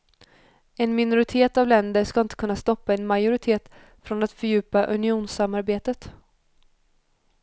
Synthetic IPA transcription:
ɛnmɪnʊɾɪt̪ʰeːt̪avlɛnd̪əʂkaɪnt̪əkʰɵnːast̪ɔpːaɛnmajʊɾɪt̪ʰeːt̪ | fɾɔnat̪fœɾjʉ̟ːpaʔɵ̰nɪuːnsamːaɾbeːt̪ət̪

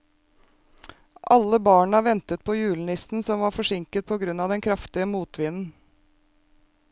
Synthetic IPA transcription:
ʔɑlːəbɑːɳəʋɛnt̪ət̪̚pʰojʉːln̩ɪsn̩sɔmʋɑːɾfɔʂɪŋkət̪̚pʰɔːɡɾʉnɑːd̪ɛnkʰɾɑft̪ɪəmuːt̪ʰʋɪnn̩

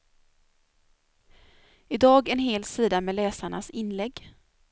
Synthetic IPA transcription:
ɪd̪ɑːɡɛnɦeːlsiːd̪amɛlɛːsaɳa̰sɪnlɛɡː

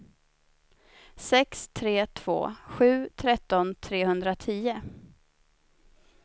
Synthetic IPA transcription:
sɛkst̪ʰɾeːt̪ʰv̥o̰ːɧʉ̟ːt̪ʰɾɛt̪ːɔnt̪ʰɾeːhɵnd̪ɾat̪ʰiːʊ

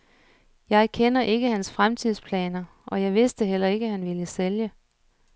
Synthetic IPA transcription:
jɑ̈ɪkʰenɐʔe̝ɡ̥əhænsfʁamt͡sʰið̰ˠspʰlɛ̰ːnɐ | ʔɒ̽jɑ̈ɪʋe̝sd̥əɦel̰ɐe̝ɡ̥əhænʋiləseljə

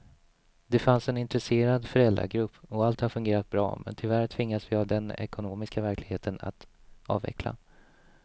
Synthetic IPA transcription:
d̪ɛfansɛnɪnt̪ɾɛseːɾad̪fœɾɛlɾa̰ɡɾɵpːɔalt̪haɾfɵŋɡeːɾat̪̚bɾɑ̰ːmɛ̰nt̪ʰɪlvæɾt̪ʰvɪŋːasvɪavd̪ɛnɛ̰kʊnoːmɪskavæɾklɪɡheːt̪əna̰t̪ɑ̰ːvɛ̰kʰla̰

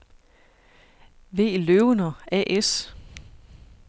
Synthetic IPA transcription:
ʋe̝̰ːløʊnɐʔɛ̰ʔes

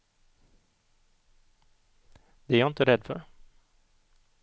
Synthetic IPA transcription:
d̪̥ɛæːɾjɑɪnt̪əɾɛd̪ːfœ̰ɾ

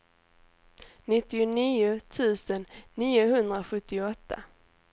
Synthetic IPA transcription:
nɪt̪ːɪʊniːʊt̪ʰʉ̟ːsənːiːʊɦɵnd̪ɾaɧɵt̪ːɪɔt̪ʰːa̰

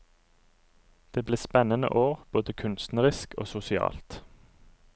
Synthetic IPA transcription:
d̪̥eːbleːspɛnənə̰ʔoːʁb̥oːd̪əkʰʉnst̪nəʁɪsko̰ːsʊsɪɑ̰ːlt̪

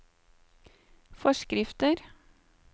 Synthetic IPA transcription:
fɔʃkɾɪft̪əɾ

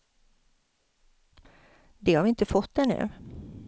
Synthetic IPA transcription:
d̪ɛhaɾvɪɪnt̪əfɔt̪ːd̪ɛnʉ̟̰ː

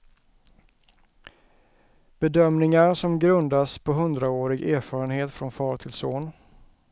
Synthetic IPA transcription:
b̥ɛd̪œmnɪŋaɾʂɔmɡɾɵnd̪aspʰɔɦɵnd̪ɾaoːɾɪɡæːɾfɑːɾənheːt̪fɾɔnfɑːɾt̪ʰɪlsoːn

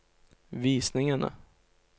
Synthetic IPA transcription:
viːsnɪŋəna̰

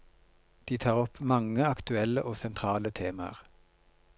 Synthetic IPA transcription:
d̪̥iːt̪ʰɑːʁɔpmɑŋəɑkt̪ʉɛləʔoːsɛnt̪ʰʁɑːlət̪ʰeːmə̰ʁ

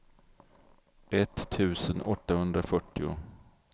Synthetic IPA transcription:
ʔɛt̪ʰːʉ̟ːsənɔt̪ːahɵnd̪ɾafœʈːɪʊ̰

